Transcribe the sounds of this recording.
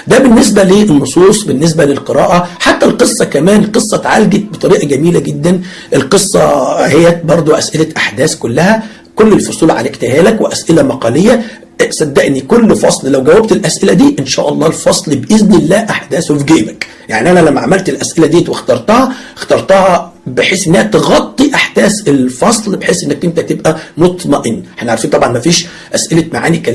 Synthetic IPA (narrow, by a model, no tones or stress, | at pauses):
d̪æbenːes̬bæliːʔenːosˤuːsˤbenːes̬bælelqeɾɑːʔæħat̪ːælqesˤːɑkæmæːnqesˤːɑt̪ʕalɡet̪̚bet̪ˤɑɾiːʔɑɡæmiːlæɡed̪ːæn | ʔelqesˤːɑ̰hejːæbɑɾˤd̪ˤoʔæsʔelæʔaħd̪æːskolːæhæ | kolːelfosˤuːlʕa̰lækt̪ehæːlækweʔæsʔelæmɑqɑlejːæ | sæd̪ːæʔnikolːfɑsˤllæwɡæwːæb̚t̪elʔæsʔelæd̪iːʔenʃæ̰ːʔɑlˤːɑːelfɑsˤlbʔeznelːæːʔaħd̪æːsofɡeːbæk | jaʕniʔænælæmːæʕamælt̪elʔæsʔelæd̪iːt̪wext̪ɑɾˤt̪ɑhɑxt̪ɑɾˤt̪ˤɑhɑbeħeːsʔenːæhæt̪ɣɑt̪ˤːiʔaħd̪æːselfɑsˤlbeħeːsʔenːæk̚ʔent̪æt̪ebʔæmot̪ˤmɑʔenːħæneʕɾfiːnt̪ˤɑbʕɑnmæfiːʃ | ʔæsʔelæmaʕa̰ːnikːæ